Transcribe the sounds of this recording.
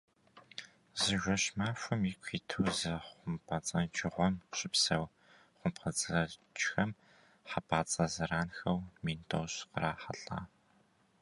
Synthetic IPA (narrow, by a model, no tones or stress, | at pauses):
zɨʒʷɔɕmaːfʷʊmikʷʰiːtʰuwzɐχʷʊmpʰɐt͡sʼɐt͡ʃʼɪʁʷɔmɕʼɪpsɐw | χʷʊmpqət͡sʼɨrɐt͡ʃʼxɐm | ħapʰaːt͡sʼɐzɐraːnxɐwmiːntʰoɕqəɾaːħɐɬʼa̰ː